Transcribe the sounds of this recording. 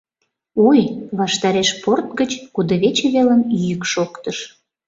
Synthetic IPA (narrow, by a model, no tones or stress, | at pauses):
ojβɑʃt̪ɑɾeʃport̪ɡət͡ɕkud̪əβet͡ɕeβelənjykʃokt̪əʃ